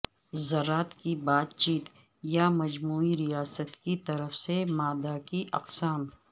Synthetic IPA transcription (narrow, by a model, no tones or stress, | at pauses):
zɐɾːaːt̪kibaːt̪t͡ʃiːt̪ | jamɐd͡ʒmuːiɾijaːsət̪kit̪ɐɾəfsemaːd̪akiʔɐqsaːm